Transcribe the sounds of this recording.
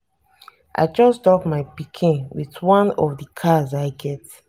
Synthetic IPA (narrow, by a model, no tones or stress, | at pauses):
ʔa̰ɪd͡ʒɔstɔpmaɪpikʰĩnwiθwɔ̃nɔfdəkʰazaɪɡɛt